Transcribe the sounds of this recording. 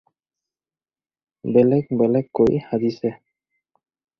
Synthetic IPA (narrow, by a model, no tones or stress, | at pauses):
bɛlɛk̚bɛlɛkːojhad̪isɛ